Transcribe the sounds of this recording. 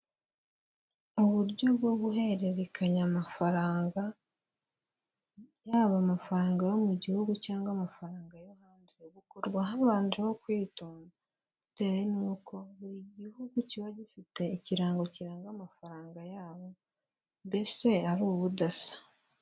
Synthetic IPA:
oβuɾɟo̞bɡo̞βuɦe̞ɾeβikʰaɲamafaɾaːŋɡa | jaːβamafaɾaːŋɡajo̞muɟihuɡucaːŋɡwamafaɾaːŋɡajo̞haːnze̞βukoɾɡwaɦaβaːndiβokwiːtoːna | ute̞ːɾenuːkʰo̞βuiɟihuɡuciβaɟifite̞iciɾaːŋɡociɾaːŋɡamafaɾaːŋɡajaːβo̞ | mbe̞se̞aɾuːβudasḁ

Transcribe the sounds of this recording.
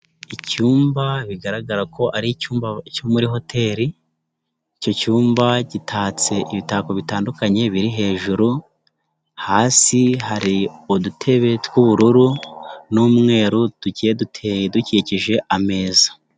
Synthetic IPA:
icuːmbaβiɡaɾaɡaɾakʰo̞ʔaɾicuːmbacomuɾiɦo̞tʰe̞ɾi | ico̞cuːmbaɟitʰaːt͡se̞ʔiβitaːko̞βitaːndukaɲe̞βiɾiɦe̞ːʒuɾu | haːsiɦaɾiodutʰe̞βe̞twuβuɾuɾunuːmŋe̞ːɾud̥ucijedutʰeduciciʒe̞ʔame̞ːza

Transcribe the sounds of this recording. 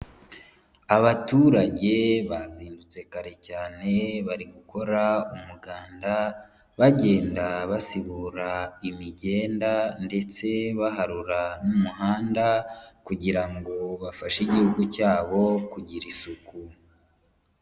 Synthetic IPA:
aβatuːɾaɟe̞βaziːndut͡se̞kaɾe̞caːne̞βaɾiɡuko̞ɾaumuɡaːnda | βaɟe̞ːndaβasiβuɾaimiɟe̞ːndande̞t͡se̞βaɦaɾuɾanumuɦaːndakuɟiɾaŋɡo̞βafaʃiɟihuɡucaːβo̞kuɟiɾisuku

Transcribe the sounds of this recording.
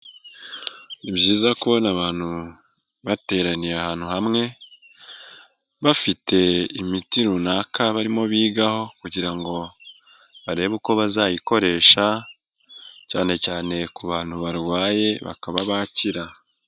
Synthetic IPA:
niβjiːzakuonaβaːnhu | βate̞ːɾaniɾahaːn̥huhamŋe̞ | βafite̞imitiɾunakaβaɾimo̞βiːɡaho̞kuɟiɾaŋɡo̞ | βaɾe̞ːβuko̞βazaːjiko̞ɾe̞ːʃa | ca̰ːne̞caːne̞kuβaːn̥huβaɾwaːje̞βa̰kaβaβaciɾa

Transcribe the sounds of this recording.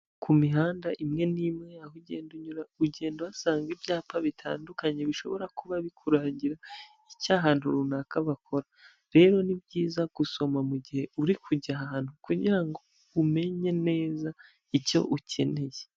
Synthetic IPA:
kʰumiɦaːndaʔimŋe̞nimŋe̞ahuɟe̞̰ːnduɲuɾauɟe̞ːnduasaːŋɡibjaːpaβitʰa̰ːndukaɲeβiʃo̞̰βo̞ɾakuβaβikʰuɾaːɲɟiɾa | icaɦaːn̥huɾunakaβakʰo̞ɾa | ɾe̞ːɾo̞nibɟiːzaɡ̥uso̞mamuɟihe̞uɾikʰuɟaɦaɦaːn̥hukuɟiɾaŋɡo̞ | ume̞ɲe̞ne̞ːza | ico̞̰ʔucʰe̞ne̞je

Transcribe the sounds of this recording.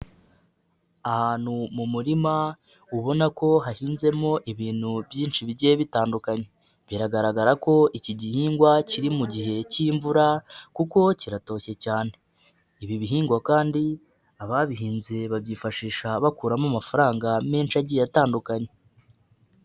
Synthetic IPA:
ahaːn̥humumuɾima | uβo̞nako̞ɦahiːnze̞mo̞ʔiβiːn̥huβjiːnʃiβiɟeβitaːndukaɲe̞ | βiɾaɡaɾaɡaɾako̞ʔiciɟihiːŋɡwaciɾimuɟiɦe̞ciɱvuɾakuko̞ciɾato̞ːçe̞caːne̞ | iβiβiɦiːŋɡwakaːndi | aβaβiɦiːnze̞βabjiːfaʃiːʃaβakuːɾamamafaɾaːŋɡame̞ːnʃaɟijataːndukaɲe

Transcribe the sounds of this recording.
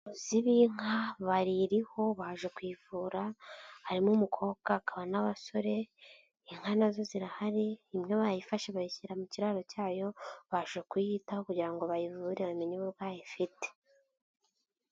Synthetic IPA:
oziβiŋ̥haβaɾiɾiho̞βaʒekwiːvuːɾahaɾimumukʰo̞ːkakaβanaβaso̞ɾe̞ | iŋ̥hanazo̞ziɾahaɾiːmŋeβajifaʃeβajiçiɾamuciɾaɾo̞caːjo̞βaʒʒekujitaho̞kuɟiɾaŋɡo̞βajivuːɾeβameɲiβoβɡaːjifite̥

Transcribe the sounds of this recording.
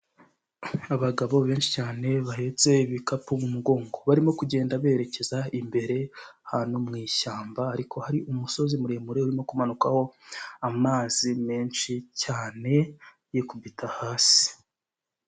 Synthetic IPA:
aβaɡaβo̞βe̞ːnʃicaːne̞βaɦe̞t͡se̞iβikapumumuɡo̞ːŋɡo̞βaɾimo̞kuɟe̞ːndaβe̞ːɾe̞ce̞zaimbe̞ɾe̞haːnumŋiːʃaːmbaːɾikʰo̞haɾiʔumuso̞zimuɾe̞muɾeuɾimo̞kumanukaho̞amaːzimeːnʃicaːne̞ | jekubitʰahaːsi̥

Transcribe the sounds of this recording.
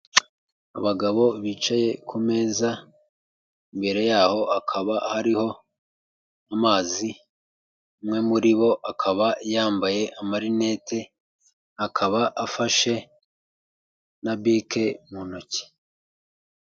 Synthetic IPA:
a̰βaɡaβo̞βiːt͡ʃaje̞kʰume̞ːza | imbe̞ɾe̞jaːho̞ʔakʰaβahaɾiho̞ | amaːzi | mŋe̞muɾiβo̞ʔakʰaβajaːmbaje̞ʔamaɾine̞tʰe̞ | akʰaβaʔafaʃe̞ | nabike̞munoci̥

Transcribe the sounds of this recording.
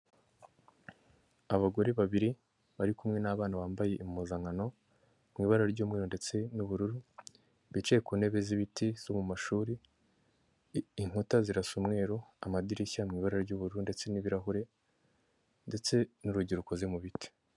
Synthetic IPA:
aβaɡo̞ɾeβaβiɾi | βaɾikumŋe̞naβaːnaβaːmbaje̞ʔimuzaŋano̞ | mŋiːβaɾaɾɟuːmŋiːɾonde̞t͡se̞nuβuɾuɾu | βit͡ʃekune̞βe̞ziβitiz̥omumaʃuːɾi | iŋ̥hutaziɾasumŋe̞ːɾoa̰madiɾiçamŋiːβaɾaɾɟuːβuɾuɾunde̞t͡se̞niβiɾaɦuɾe̞ | nde̞t͡se̞nuɾuɟiɾuko̞zemuβiti̥

